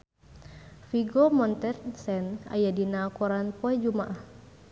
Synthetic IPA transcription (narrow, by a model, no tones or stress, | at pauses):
fiɡɔmɔnt̪ɛrsɛna̰jadinakɔɾanpɔɛd͡ʒumaʔah